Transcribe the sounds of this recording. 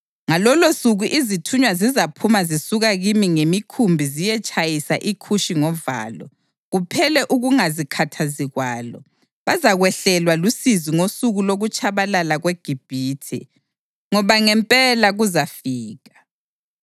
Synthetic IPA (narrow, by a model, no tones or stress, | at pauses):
ŋalɔlosuɣuʔizitʰuɲwazizapʰumazisuɣaɣimiŋemikʰumbʱizijɛt͡ʃʼajisaʔikʰuʃiŋɔva̰ːlɔ̰ | ɣupʰɛlɛʔuɣuŋazikʰatʰaziɣwaːlɔ̰ | βazaɣwɛɬɛlwalusiziŋosuɣuloɣut͡ʃʼaβalalaɣweɡ̥ʱib̥ʱiːtʰɛ̰ | ŋɔβaŋɛmpʼɛlaɣuzafiːɣḁ